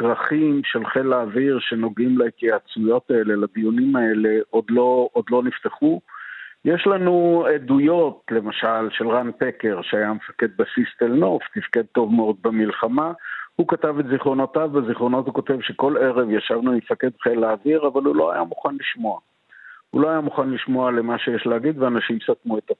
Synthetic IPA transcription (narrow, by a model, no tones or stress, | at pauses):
ɡʁaχimʃe̞lχe̞laːviʁʃe̞no̞ɡimlakiat͡sujo̞tae̞le̞labijunimae̞le̞ʔo̞d̪lo̞od̪lo̞nift̪eχujeʃlanuedujo̞t̪le̞maʃalʃe̞lʁanpeke̞ʁʃeajamefake̞d̪̚basist̪elno̞ft̪ifke̞d̪̚t̪o̞vmeo̞d̪̚bemilχamahukatavetziχʁo̞notavbeziχʁo̞no̞thuko̞te̞vʃe̞ko̞le̞ʁe̞vjaʃavnumefaked̪χelaːviʁavalhulo̞a̰jamuχanliʃmo̞a | hṵloajamuχanliʃmo̞ale̞maʃejeʃleaɡid̪veanaʃimsatnuet̪a